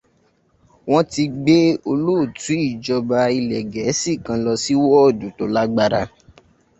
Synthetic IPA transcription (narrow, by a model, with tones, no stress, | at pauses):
w̃ɔ̃˦ti˧ɡ͡be˦o˧lo˦˨tũ˨˦i˦˨d͡ʒɔ˧ba˧i˧lɛ˨ɡɛ˨˦si˦˨kã˧lɔ˧si˦wɔ˦˨du˨˦to˨˦la˦ɡ͡ba˧ɾa̰˧